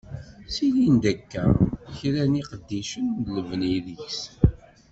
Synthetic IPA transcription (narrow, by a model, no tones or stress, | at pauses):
silind̪ækːæ̰çɾæniqəd̪ːiʃənləvniðiçs